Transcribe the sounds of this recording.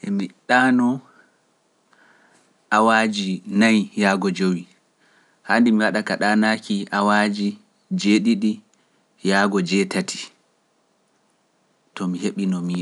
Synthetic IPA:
ʔɛmiɗaːnɔ | ʔawaːd͡ʒinajjaːɡɔd͡ʒowi | handimiwaɗakaɗaːnakiʔawad͡ʒi | d͡ʒeɗiɗi | jaːɡɔd͡ʒɛtatʰi̥ | tɔmiheɓinɔmiː

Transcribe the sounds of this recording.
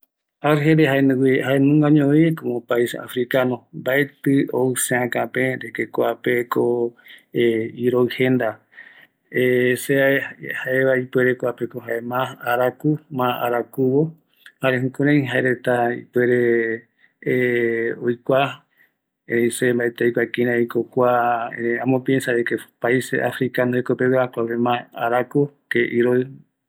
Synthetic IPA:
aɾɦeɾeɦaenwihaenũŋɡãɲõikõmõpaisa̰fɾikanombaet̪ɨoɨsẽãkãpẽɾekekʷapeko | iɾoɨhẽnd̪a | eseaehaeβaipweɾekʷapekoɦaemãːɾakumãaɾakuβo | haɾeɦukoɾ̃ãĩɦaeɾet̪aḭpweɾe̞ | ojkʷa | isembaet̪ejkʷakĩɾ̃ãikokʷaeãmõpiẽnsaekepaisḛʔafɾikand̪ohekopewakʷaβemãa̰ɾakukeʔiɾoɨ

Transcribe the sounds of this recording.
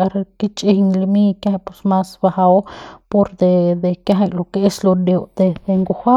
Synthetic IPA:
aɾkit͡ʃʼiɲlimikahajpusmasbahaopoɾd̪ed̪ekjaɦajlokeeslod̪oʔd̪̥ed̪eŋɡuha

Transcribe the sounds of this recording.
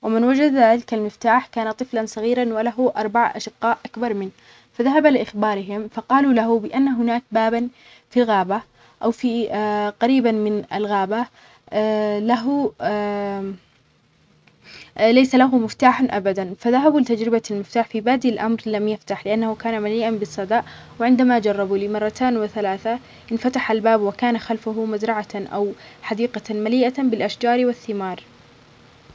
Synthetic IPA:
wɪmɪnwad͡ʒad̪lɪkalmɪft̪aːħkaːnat̪ˤɨflansˤɑɣiːɾanwalaɦʊʔɑɾˤbaʕʔa̰ʃɪqːɑːʔʔakbɑɾˤmɪn | faðaɦabalɪʔɪxbɑːɾɪɦɪmfɑqɑːlulaɦʊbɪʔanːaɦʊnaːk̚baːban | filɣaːba | ʔawfiqɑɾiːbanmɪna̰lɣaːba | laɦʊ | lajsalaɦʊmɪft̪aːħanʔabad̪anfaðaɦabulɪt̪ad͡ʒɾɪbalmɪft̪aːħfibaːd̪ilʔamɾlamjaft̪aħlɪʔanːahʊkaːnamaliːʔanbɪsˤːɑd̪ɑːʔ | wɪʕɪnd̪amad͡ʒɑrˤːɑbuliːmɑrˤːɑt̪aːnwɪθalaːθa | ʔɪnfat̪aħalbaːbwɪkaːnaxalfʊɦʊmazɾˤɑʕaʔa̰wħad̪iːqɑmaliːʔabɪlʔaʃd͡ʒɑːɾwɪθːɪmɑːɾˤ

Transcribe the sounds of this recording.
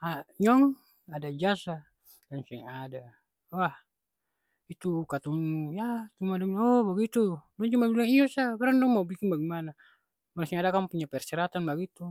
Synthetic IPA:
aɲɔŋ | adad͡ʒasa | daŋsɛŋada | wah | it̪ukat̪uŋjat̪umadaŋnɔbaɡit̪udɔŋd͡ʒɔmabilaŋijɔsabaɾandɔŋmaubikinbaɡimana | maɾasɛŋadakampuɲapɛrsɛɾat̪anbaɡit̪u

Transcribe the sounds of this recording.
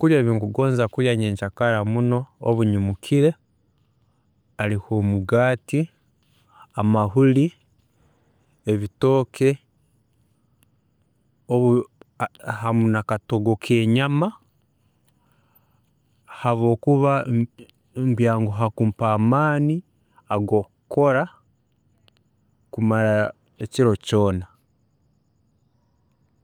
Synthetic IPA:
kuɾjaβiːŋkuɡo̞ːnzakuɾjaɲeːɲʃakaɾamuno̞oβuɲumukʰiɾe̞ | alihomuɡaːti | amaɦuli | eβito̞ːkʰe̞ | oβu | hamunakato̞ɡo̞kʰe̞ːɲama | haβo̞ːkuβa | mbjaːŋɡoɦakuːmpaːmaːni | aɡo̞kuko̞ɾa | kumaɾa | eciɾo̞co̞ːna

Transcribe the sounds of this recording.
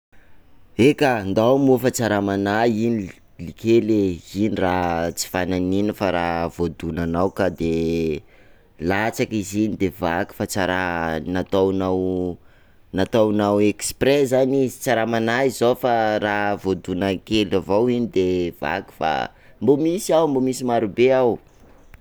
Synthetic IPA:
ekand̪awmufat͡saɾamanaini | likeleinirat͡si̥fananinəfaɾavod̪unanawkad̪e | lat͡sakizinid̪eva̰ki̥fat͡saɾanat̪awnaw | nat̪awnaweksprezanit͡saɾamanaizofaravod̪unakelavawinid̪eva̰ku̥fa̰ | mbomisiawmbomisimaɾubeaw

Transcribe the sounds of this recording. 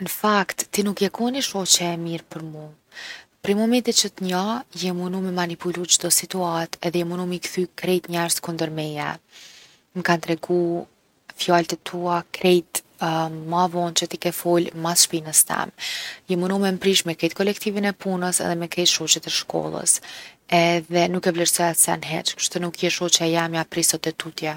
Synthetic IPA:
nəfakt̪ːinukjɛkɔniʃɔt͡ʃɛɛmiɾpəɾmu | pɾɛmɔmɛnt̪it͡ʃət̪əɲajɛmunumɛmanipulut͡ʃd̪ɔsit̪uat̪ɛðɛjɛmunumikθykɾɛjt̪ɲɛɾskund̪əɾmɛjɛ̰ | mkant̪ɾɛɡu | fjalt̪ɛt̪ʰuakɾɛjt̪ | mavɔnt͡ʃət̪ikɛfɔlmasʃpinəst̪ɛ̰mjɛmunumɛmpɾiʃmɛkɛjt̪̚kɔlɛkt̪ivinɛpunəsɛ̰ðɛmɛkɛjt̪ʃɔt͡ʃɛt̪ɛʃkʰɔ̰lˠə̰sɛðɛnukɛvlɛɾsɔjat̪sɛ̰nɦɛt͡ʃku̥ʃt̪ɔnukjɛʃɔt͡ʃɛjamjapɾisɔt̪ɛt̪ut̪jɛ

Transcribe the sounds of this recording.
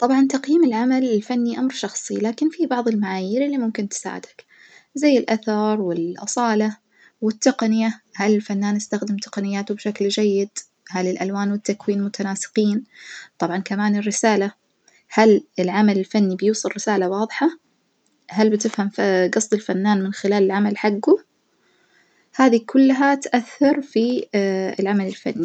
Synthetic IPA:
t̪ˤɑbʕɑnt̪ɑqjiːmɪlʕamalɪlfanːiʔamɾʃɑxsˤilaːkɪnfibɑʕðˤɪlmaʕaːjiːɾɪlːimʊmkɪnt̪ɪ̥sa̰ːʕɪ̰d̪hḁk | zajːɪlʔaθɑɾˤwɪlʔɑ̰sˤɑːla | wɪt̪ːaqnɪjahalɪlfanːaːnʔɪst̪axd̪ɪmt̪ɪ̥qɑnɪjːaːt̪ʊbʃakld͡ʒajːɪd̪ | halɪlʔalwaːnwɪt̪ːakwiːnmʊt̪anaːsɨ̥qiːnt̪ˤɑbʕɑnkamaːnɪrːɪsaːla | halɪlʕamalɪlfanːibjuːsˤɨrːɪsaːlawɑːðˤħɑ | halbɪt̪ɪfhamɡɑsˤt̪ˤɪlfanːaːnmɪnxɪlaːlɪlʕamalħaɡːu | haːðikʰʊlːɦat̪ʔaθːɑɾˤfiɪlʕamalɪlfa̰nːi

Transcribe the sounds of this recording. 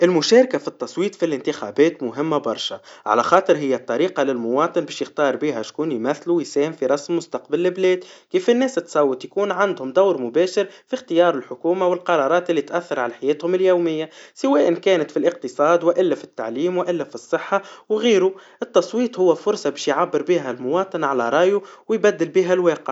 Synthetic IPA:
ʔɪlmʊʃæːɾkafit̪ˤːɑsˤwiːt̪ˤfilɪnt̪ɪxa̰ːbɛːt̪mʊɦɪmːabɑ̰ɾˤʃaʕa̰læxɑːt̪ˤɨɾɦɪjːæt̪ˤːɑɾiːqɑlɪlmʊwɑːt̪ˤɨnbɛːʃjɪxt̪ɑːɾˤbiːɦæʃkuːnjmæθːlujsɛːmfiɾˤɑsmːʊst̪ɑqbɪlːɪblɛːd̪kiːfɪnːɛːsɪt̪ːsˤɑwːɪt̪ˤjakuːnʕand̪hʊmd̪awɾmʊbæːʃɪɾfixt̪ɪjɑːɾˤɪlħʊkuːmawɪlqɑɾˤɑːɾˤɑːt̪ʔɪlːit̪ʔæθːɑɾˤʕalæħajɛːt̪hʊmɪljowmɪjːasɪwɛːʔɪnkɛːnɪt̪filʔɪq̚t̪ɨsˤɑːd̪wɪʔɪlːæfi̥t̪ːa̰ʕliːmwʔɪlːæfisˤːɨħːawɣiːɾuʔɪt̪ːɑsˤwiːt̪ˤhʊwːæfʊɾsˤɑbɛːʃjʕabːəɾbiːɦælmʊwɑːt̪ˤɨnʕalæɾˤɑːjuwjbæd̪ːɪlbiːɦælwɛːqɪʕ

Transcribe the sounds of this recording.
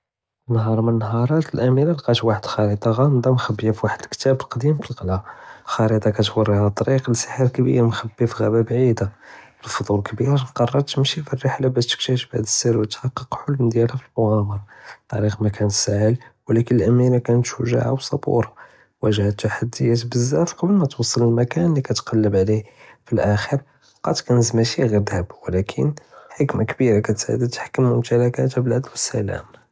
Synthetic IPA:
nːhɑɾˤmənːɦɑɾˤɑt̪əlʔæmiɾalqɑt̪waħəd̪xɑɾid̪ˤɑɣɑmd̪ɑmxæbːjifwaħəd̪kt̪æbəlqɑd̪imfilqlæxɑɾid̪ˤɑkæt̪wɑrˤːihat̪ˤːɑɾiqlsə̥ħəɾkbḭɾmxæbːifɣæbæbʕid̪abəlfod̪ˤulkbiɾqɑrˤɑɾˤt̪əmʃifirːəħlabæʃt̪ə̥kt̪əʃbʕæd̪əsːiɾwət̪ħɑqːəqħʊlːd̪jælæfilmʊɣɑmɑɾˤɑt̪ˤɑɾiqmækænt̪saʕəlwlækənəlʔæmiɾakænət̪ʃʊʒa̰ʕa̰wsˤɑbṵɾɑ | wæʒhət̪ːaħad̪ːəjæt̪bəzːæfqɑbəlmæt̪wsˤːələlmækænlːikæt̪qɑlːəbʕlifilʔæxəɾ | qɑt̪kænəzmæʃiɣid̪həbwlækʰənħəkmakbiɾakæt̪a̰d̪æt̪ħḁkːəmːʊmt̪ælækæt̪æbələd̪wəsːæ̰læ̰m

